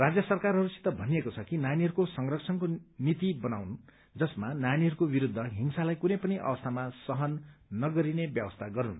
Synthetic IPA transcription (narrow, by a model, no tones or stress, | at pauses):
rad͡zjʌsʌrkarɦʌɾusi̥t̪ːʌbʱʌnijekot͡sʰʌkinjaniɦʌɾukosʌŋrʌk̚t͡sʰʌnkonit̪ibʌnawn | d͡zʌsmanjaniɦʌɾukobiɾud̪ʱːʌɦiŋsalajkunʌjpʌnʌjʔʌ̰bʌst̪ʰamasʌɦʌnːʌɡʌɾinebjʌbʌst̪ʰaɡʌɾun